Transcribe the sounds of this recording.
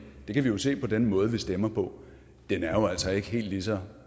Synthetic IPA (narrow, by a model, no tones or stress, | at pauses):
d̥e̝kʰæʋijo̝se̝̰ːpʰɒ̽d̥enmɔ̽ːð̞̩ˠʋisd̥emɐpʰɒ̽ | d̥enæɐjo̝æl̰sɐe̝ɡ̥əɦe̝̰ːld̥lis̬ɒ